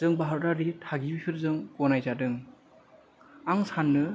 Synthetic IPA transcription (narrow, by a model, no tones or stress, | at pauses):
zɯŋbaɦaɾdaɾitʰaɡibipʰiɾzɯŋkɔnajzadɯŋ | aŋsanːɯ